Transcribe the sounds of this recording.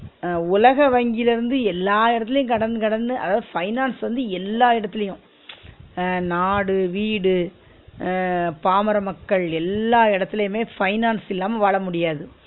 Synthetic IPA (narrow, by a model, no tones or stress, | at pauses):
ʊlɐɣɐʋɐŋɡɪlɪɾɯnd̪ɯɛlːaːɪɽɐt̪ːɪlɐjʊ̃kɐɽɐnd̪ɯkɐɽɐnd̪ɯʔɐ̰ðaːðɯfɐɪnaːnsʋɐnd̪ɯɛlːaːɪɽɐt̪ːɪlɐjʊ̃ | naːɽɯʋiːɽɯ | paːmɐɾɐmɐkːɐɭɛlːaːɪɽɐt̪ːɪlɐjʊmeːfɐɪnaːnsɪlːaːmɐʋaːɭɐmʊɽɪjaːðɯ